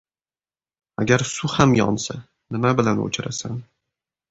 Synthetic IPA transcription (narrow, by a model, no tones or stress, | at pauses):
a̰ɡʲaɾsʊhamjɒ̰nsa | nɪmabɪlano̰t͡ʃʰɪɾasan